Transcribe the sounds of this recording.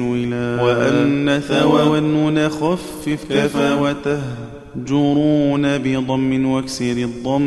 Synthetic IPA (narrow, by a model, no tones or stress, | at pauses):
wɪlawaʔanːaθawawanːʊnaxafːɪfkafawat̪ah | d͡ʒʊɾuːnabɪd̪ˤɑmːɪnwaksɪɾɪd̪ˤːɑmː